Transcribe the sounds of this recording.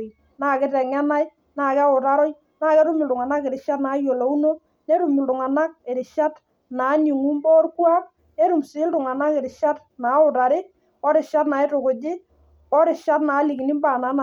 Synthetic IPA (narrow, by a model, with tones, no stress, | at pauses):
naː˨˦˨kɪ˦tɛ˨ŋɛ˦na˦j | naː˨ka˦ʊ˨ɾa˦ɾɔ˦j | na˦˨kɛ˦ɾʊ˦mɪ˨ltʊ˨ŋa˨na˦kɪ˨ɾɪ˨ʃa˦tnaː˨˦jo˨lo˨u˦no˦ | ne˦ɾʊ˨mi˨ltʊ˨ŋa˨na˦k̚e˨ɾɪ˨ʃa˦t | naː˨˦ni˨ŋu˦mbɔ˦rku˦a˦k̚ | ne˦ɾu˨msɪ˨˦ltʊ˨ŋa˨na˦kɪ˨ɾɪ˨ʃa˦t | na˨˦ʊ˨ɾa˨ɾɪ˦ | kɔ˦ɾɪ˨ʃa˦tna˨ɪ˦ɾʊ˨kʊ˨d͡ʒɪ˦ | kɔ˦ɾɪ˨ʃa˦tnaː˨˦li˨ki˨ni˦mba˨na˨˦n˨